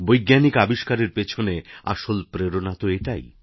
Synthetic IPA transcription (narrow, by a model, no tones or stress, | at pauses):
bojɡːanikabiʃkaɾeɾpet͡ɕʰonea̰ʃolpɾeɾonat̪oeʈa̰j